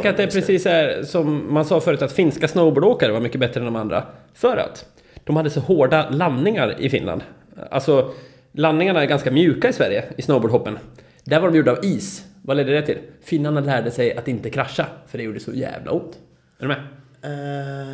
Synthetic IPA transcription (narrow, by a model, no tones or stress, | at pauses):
ɛŋkːəɾat̪̚d̪ɛæɾpʰɾɛsiːsæɾsɔmːansɑːfœɾʉt̪at̪fɪnskasnəʊboːɖoːkaɾəvaɾmʏkːəbɛt̪ːɾəɛnd̪ɔmand̪ɾa̰ | fœːɾa̰t̪ | d̪̥ɔmhad̪ːəsɔhoːɖalanːɪŋaɾɪ̰fɪ̰nla̰nd̪ | a̰lsɔ | lanːɪŋaɳaæɾɡanskamjʉ̟ːkaɪsvæɾjəɪsnəʊboːɖɦɔpːən | d̪æɾvaɖɔmjuːɖaviːsvaleːd̪ːəd̪ɛt̪ʰɪlfɪnlanːlæːɖəsɛjat̪ɪnt̪əkʰɾaʂːafœɖɛjuːɖəsɔ̰jæ̰ːvla̰ʊnt̪ | ɛɖɛmɛ